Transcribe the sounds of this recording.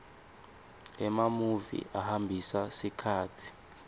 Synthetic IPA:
ɛmamuvḭʔahambʱisasikʰaːtʰi̥

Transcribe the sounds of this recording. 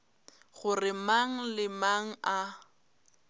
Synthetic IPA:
ɣʊrɪmaŋ̩lɪmaŋ̩a

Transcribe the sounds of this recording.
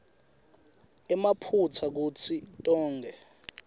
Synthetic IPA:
ɛmapʰut͡sʰak̬uːt͡sʰitʼɔːŋɡʱɛ

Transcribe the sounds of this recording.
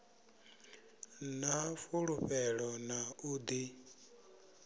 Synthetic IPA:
nafuɺuɸɛɺɔnauːd̪i

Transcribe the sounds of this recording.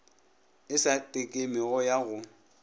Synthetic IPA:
ɪsatʼekʼemɪɣɔjaɣʊ

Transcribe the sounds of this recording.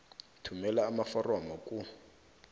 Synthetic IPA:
tʰumɛlaːmafɔrɔmɔkʼu

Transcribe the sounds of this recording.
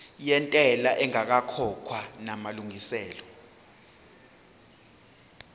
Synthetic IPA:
jɛntʼɛlaʔɛŋak̬akʰɔkʰwanamaluŋisɛːlɔ

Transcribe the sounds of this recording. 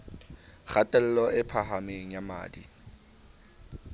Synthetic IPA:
χatʼɛl̩lɔʔɪpʰaɦamɪŋ̩jama̰ːdḭ

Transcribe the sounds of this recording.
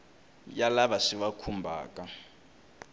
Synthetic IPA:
jalaβaʂiβakʰumbʱa̰ːka

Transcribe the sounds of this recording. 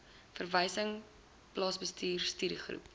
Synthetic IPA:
fərvəjsəŋ | plɑːsbəstiːrstyːɾiχrṵp̚

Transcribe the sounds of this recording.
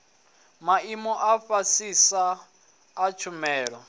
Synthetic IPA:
maimɔʔafasisaː | t͡ʃʰumɛːɺɔ

